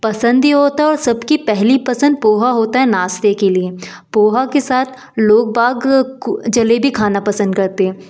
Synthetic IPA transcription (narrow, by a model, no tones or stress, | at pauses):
pɐsə̃nd̪ɦiɦoːt̪aɦɛɔːɾsɐbkipɛɦlipɐsə̃nd̪̚poːɦaɦoːt̪aɦɛnaːst̪ekelie | poːɦakesaːt̪ʰ | loːk̚baːɡd͡ʒɐlebʱikʰaːnapɐsə̃nd̪kɐɾt̪eɦɛ̃ː